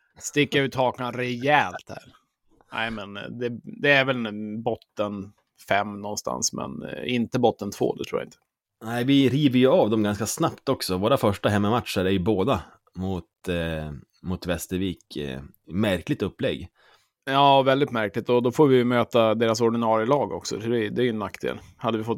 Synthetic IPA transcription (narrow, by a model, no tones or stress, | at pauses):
st̪ɪkːaɾʉːt̪hɑːknanɾɛjɛlt̪hæ̰ːɾ | æ̰ɪmɛnd̪ɛd̪ɛːɾvɛlbɔt̪ːən | fɛmːnɔnst̪a̰nsmɛ̰nɪnt̪əbɔt̪ːənt̪ʰv̥o̰ːd̪ɛt̪ʰɾuːj̰a̰ɪnt̪ə̥ | næɪvɪɾiːvəɾjɵaːvd̪ɛmɡanskasnapt̪ɔksɔvoːɾafœʂʈaɦɛmːəmat̪ʂəɾæɾjɵboːd̪a | mʊt̪ | mʊt̪vɛst̪əɾviːk | mæɾklɪt̪ɵpːlɛɡː | jɑːvɛld̪ɪt̪mæɾklɪk̚t̪ɔd̪ɔfoːɾvɪjɵmøːt̪ad̪eːɾas̬ɔɖɪnɑːɾjəlɑːɡɔ̰ksɔ̰fd̪ɛd̪ɛæɾjɵnːakːd̪ḛːlhad̪ːəvɪfɔt̪ː